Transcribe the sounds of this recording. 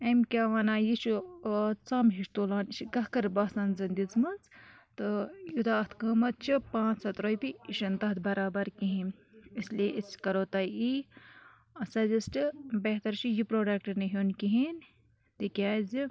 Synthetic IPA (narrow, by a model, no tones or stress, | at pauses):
emkʲaːʋaːnaːjiʃut͡saːmɦiʃt̪oːlaːnʃiɡɐkɐɾbɐːsɐnzɐnd̪izmɐnt͡st̪ɨjut̪aːt̪ʰkəːmɐt̪̚t͡ʃʰipãːt͡sɐt̪ɾoːjpiiʃɐnt̪ɐt̪bɐɾaːbɐɾkiɦĩnislieʔiskɐɾoːt̪ɐi | ɐsɐzisʈɨbeɦt̪ɐɾt͡ʃijipɾoːɖek̚ʈɐniɦʲonkiɦin | t̪ikʲaːzi